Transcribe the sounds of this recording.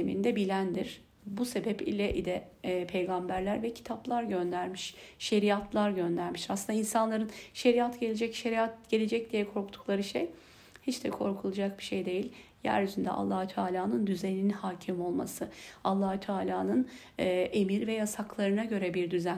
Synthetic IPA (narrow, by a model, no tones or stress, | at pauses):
emḭnd̪ɛbilʲænd̪iɾ̥ | buse̞bɛpḭlʲɛʔḭd̪ɛpʰe̞jɡambæɾlʲæɾvɛcʰi̥t̪ʰaplˠaɾɟø̞nd̪æɾmiʃʃe̞ɾijat̪ʰlˠaɾɟø̞nd̪æɾmiʃaslɯnainsanlˠaɾɯnʃe̞ɾijat̪ɟe̞lʲed͡ʒɛcʃe̞ɾijat̪̚ɟ̥e̞lʲe̞d͡ʒɛc̚d̪ijɛkʰo̞ɾkt̪ʰu̥klˠaɾɯʃḛj | hit͡ʃd̪ɛkʰo̞ɾkʰulˠad͡ʒak̚biʃejd̪e̞jilʲjæ̰ɾyzynd̪ɛ̰ʔa̰lˠːahut̪ʰaːlʲaːnɯnd̪yzeninhaːcʰimo̞lˠma̰sɯalˠːahut̪ʰaːlʲaːnɯnː | ʔe̞miɾvɛjasaklˠaɾɯnaɟø̞ɾɛbiɾd̪yzæn